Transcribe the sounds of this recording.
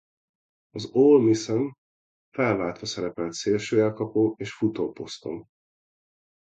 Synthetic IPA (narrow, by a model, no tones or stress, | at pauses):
ɒzoːlmisɛɱ | fɛlvaːlt̪ʋɒsɛɾɛpɛlt̪seːlʃøːɛlkɒpoːeːʃfut̪oːpo̞st̪o̞̰m